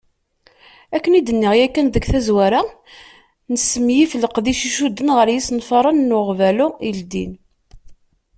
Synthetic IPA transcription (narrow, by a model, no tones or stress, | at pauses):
ækːənid̪ənːiʁjækːænðəɡθæzwæɾa | nəsəmjifələqðiʃiʃud̪ːənʁəɾjisnfɑɾˤɑnnːʊʁvælʊild̪ḭn